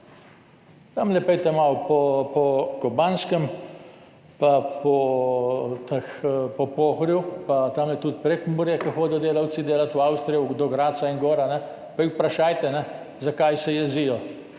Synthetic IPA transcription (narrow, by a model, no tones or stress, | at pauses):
t̪amlɛpɛjt̪ɛmawpɔpɔkɔbanskəm | papɔ | t̪axpɔpoːxɾjupat̪amlɛt̪ut̪pɾekmuɾjɛkaxoːd̪ɛjɔd̪eːlaw̪t͡ssid̪eːlat̪wawst̪ɾijɔd̪ɔɡɾaːt̪saiŋɡoːɾanɛ | paixpɾaʃaːjt̪ɛnɛ | zakajsɛjɛzijɔ